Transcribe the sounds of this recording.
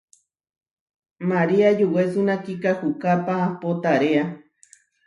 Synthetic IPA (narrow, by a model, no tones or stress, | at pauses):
maɾiad͡ʒuwesunãkikahukapaːpot̪aɾea